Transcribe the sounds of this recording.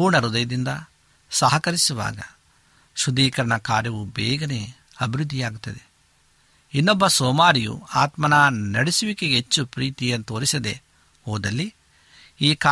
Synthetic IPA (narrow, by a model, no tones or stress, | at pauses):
uːɾɳɐɾud̪ɐjɐd̪ind̪ɐ | sɐɦɐkɐɾisuʋa̰ːɡɐ̰ | ʃud̪iːkɐɾɐɳɐkaːɾjɐʋubɛːɡɐne̞ː | ɐbʱiɾud̪ʱːijaːɡut̪ːɐd̪e | inːɔbːɐsɔːmaːɾijṵaːt̪mɐnaːnɐɽisuʋikeet͡ʃːupɾiːt̪ijɐnt̪oːɾisɐd̪e̞̰ | hoːd̪ɐlːi | iːka